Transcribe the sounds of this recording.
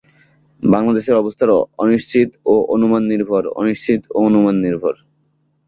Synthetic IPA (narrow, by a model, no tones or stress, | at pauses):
baŋlad̪eʃeɾɔbost̪ʰaɾɔɔniʃt͡ɕʰit̪oʔonumanːiɾbʱoɾo̰niʃt͡ɕʰit̪o̰onumanːiɾbʱoɾ